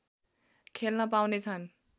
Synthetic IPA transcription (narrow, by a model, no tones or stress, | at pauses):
kʰelnʌpawnet͡sʰʌn